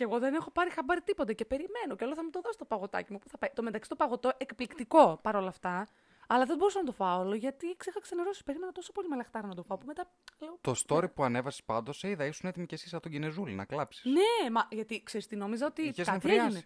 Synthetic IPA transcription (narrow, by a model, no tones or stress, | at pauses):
ceɣo̞ðe̞nexo̞pɐɾixɐbɐɾit̪ipo̞t̪ece̞pe̞ɾime̞noceoloθɐmut̪oðosi̥st̪opɐɣo̞t̪ɐ̰cimupu̥θɐpɐjt̪o̞met̪ɐksit̪opɐɣo̞t̪o̞ekplikt̪iko̞pɐɾo̞lɐft̪ɐ | ɐlɐðebo̞ɾusɐnɐt̪ofɐoloʝɐt̪iksixɐkseneɾosi̥speɾimenɐt̪o̞sopo̞limelɐxt̪ɐɾɐnɐt̪ofɐopome̞t̪ɐ | liot̪o̞st̪o̞ɾipuɐne̞vɐsi̥spɐnd̪o̞seiðɐisune̞t̪imicesisɐt̪oɟenezulinɐ̰klɐpsi̥sne̞mɐʝɐt̪ikse̞ɾist̪ino̞mizɐot̪iezkɐeieine